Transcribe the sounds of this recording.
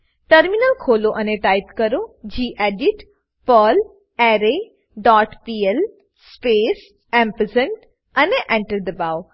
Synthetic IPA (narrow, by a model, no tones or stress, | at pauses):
ʈɐɾminəlkʰoːloʔɐneʈaːit̪kɐɾod͡ʑiːʔeːɖiʈ | pəl | ɛːɾe | ɖɔːʈpiːel | speːs | ɛ̃ːmpəzəɳʈ | ɐneʔẽɳʈəɾd̪ɐbaːo